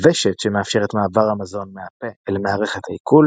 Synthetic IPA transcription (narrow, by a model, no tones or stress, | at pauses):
veʃetʃemeafʃeʁet̪maːvaʁhamazo̞nmeapeelmaːʁe̞χet̪haikul